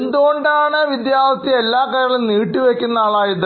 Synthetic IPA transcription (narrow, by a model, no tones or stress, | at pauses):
end̪uɣo̞ɳɖaːɳɨʋid̪jaːʋɐt̪ːjielːaːkːɐjːɐiɭuniːʈːiʋekʲːunːɐaːɭaːjiðɨ